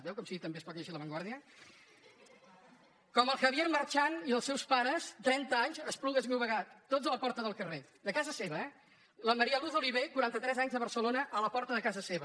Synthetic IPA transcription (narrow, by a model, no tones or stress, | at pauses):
ðɛwkɔmsiit̪əmbeəspɔt̪jəʃiləβəŋɡwaɾðiə | kɔməlˠxəβjeɾmərt͡ʃaniðəlˠsɛwspaɾəzt̪ɾɛnt̪əaɲzəspluɣəzmɛwβəɣat̪ːodzələpɔɾt̪əðəlˠkəred̪əkazəseβəɛ | ləməɾiəluθoliβ̞ekuɾant̪ət̪ɾɛzaɲzðəβəɾsəlonəʔələpɔɾt̪əðəkazəseβə